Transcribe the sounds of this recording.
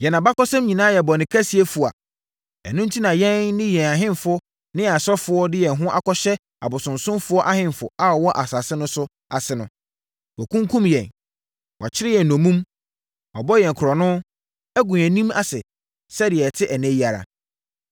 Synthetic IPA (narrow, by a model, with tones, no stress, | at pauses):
jɛ˨nã˨ba˦kɔ˦sɛ̃˦mɲĩ˨nãː˦jɛ˨bɔ˨nɪ̃˨kʰa˦si˨˦e˦fu˨a̰˨ | ɛ̰˨nʊ̃˦n̩˦tʰi˦nã˨jɛ̃˦nːɪ̃˦jɛ̃˨a˨ɦɪ̃˦nfʊ˦ | nɪ̃˦a˨sɔ˦fʊ˨ɔ˦dɪ˦jɛ˨ɦʊ̃˦ʔa˨kɔ˦ɕɛ˦ | a̰˨bʊ˨sʊ̃˨nsʊ̃˦mfʊ˦ɔ˦ʔa˦hɦɪ̃˦mfʊ˨a˨ɔ˨wɔ˦ʔa˨sa˨sɪ˦nʊ̃˦sʊ˦ | a̰˨sɪ˦nʊ̰̃˨ | wɔ˨kʰũ˦ŋ˦kʰũ˦mjɛ̃˨n | wʔa̰˨t͡ɕʰɪ˦ɾɪ˦jɛ˨n̩˨nɔ̃˨mũ˦m | wɔ̰˨bɔ˦jɛ˨kʰʊ˨ɾɔ˨nʊ̃˦ | æ˦ɡũ˨ɛ˨nĩ˦ma̰˨sɪ˨ | sɛ˦dɪ˨ɛ˨tʰɪ˦ʔɛ˨næ̃˦ji˦a˨ɾa̰˨